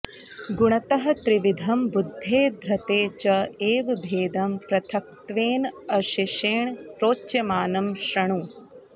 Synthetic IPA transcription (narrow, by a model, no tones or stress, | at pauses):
ɡuɳ̃ɐt̪ɐɦɐ̆t̪ɾiʋid̪ʱɐmbud̪ʱːeːd̪ʱɾɐt̪eːt͡ʃɐeːʋbʱeːd̪ɐmpɾɐt̪ʰɐk̚t̪ʋeːnɐʃiʃeːɳpɾoːt͡ʃːjɐmaːnɐmʃɾɐɳ̃u